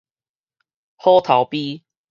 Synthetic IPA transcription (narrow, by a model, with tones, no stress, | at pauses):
ho˦t̪ʰa˨˦ʊpi˦